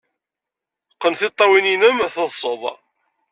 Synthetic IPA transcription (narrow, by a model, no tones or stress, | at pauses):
qːənθɪt̪ˤːɑwininəmæθəðsˤoðˤ